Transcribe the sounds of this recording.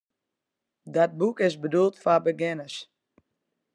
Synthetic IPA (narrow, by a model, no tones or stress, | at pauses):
dɔt̚bukɪsbədulˠtfabəɡɪnəs